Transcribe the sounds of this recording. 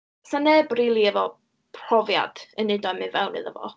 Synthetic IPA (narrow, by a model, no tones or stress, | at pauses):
sanɛbrilˠiɛvɔ | pʰr̥ɔvja̰d̥ənɨdɔmɨnvɛwnɨ̰ðəvɔ̰